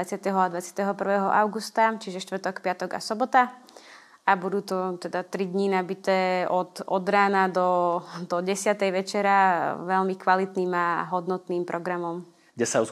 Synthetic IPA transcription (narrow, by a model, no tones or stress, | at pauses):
at͡sɪat̪ɛɦɔad̪ʋat͡sɪḁt̪ɛɦɔpr̩ʋɛːɦɔʔaʊɡust̪at͡ʃiʒɛʃt̪ʋr̩t̪ɔkpɪat̪ɔɡa̰sɔbɔt̪a | abud̪uːt̪ɔt̪ɛd̪at̪ɾid̪ɲinabit̪ɛːɔt̪ɔd̪ɾaːnad̪ɔd̪ɔɟɛsɪat̪ɛjʋɛt͡ʃɛɾaʋɛlmikʋalit̪niːmaɦɔd̪nɔt̪niːmpɾɔɡɾamɔm | ɡɟɛsau